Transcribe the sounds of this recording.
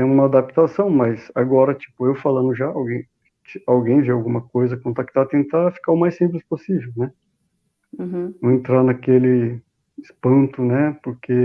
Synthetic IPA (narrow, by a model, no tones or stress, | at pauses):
ɛũmɐad̪ap̚t̪asɐ̃w̃mɐjzaɡɔɾɐt͡ʃi̥pʊewfalɐ̃nd̪ʊʒaawɡẽj̃ | t͡ʃiawɡẽj̃veawɡũmɐkojzɐkõnt̪ak̚t̪at̪ẽnt̪afi̥kaʊmajsĩmp̬lɪsposivewnɛ | ɐ̃ẽnt̪ɾanakelɪ | ɪspɐ̃nt̪ʊnɛpoɾkʰe